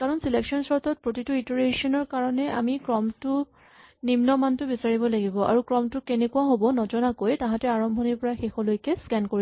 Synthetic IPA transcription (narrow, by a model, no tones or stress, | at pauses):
kaɹɔnsileksɔnsɔɹtʰɔt̚pɹotitʊitoɹesiɔnɔɹkaɹɔnɛʔa̰mikɹɔmtʊ | nimnɔmantʊbisaɹibɔlaɡibɔʔa̰ɹukɹɔmtʊkenekuwaɦobɔnɔd͡ʒɔnakojtãɦãtɛaɹɔmbʱɔniɹpɔɹaxexɔlojkɛskɛnkoɹi